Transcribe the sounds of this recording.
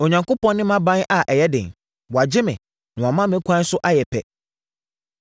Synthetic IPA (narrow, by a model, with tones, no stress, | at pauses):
o˨ɲã˨ŋkʰo˦pɔ̃˦nːɪ̃˦mã˦bã˦n˦ʔa˨ʔɛ˨jɛ˦dɪ̰̃˨n | wɔ˨a˨d͡ʑɪ˦mɪ̃˨ | nã˨wa˨mã˦mɪ̃˦kʷʰã˦n̩˦sʊ˦ʔa˦jɛ˨pʰɛ̰˨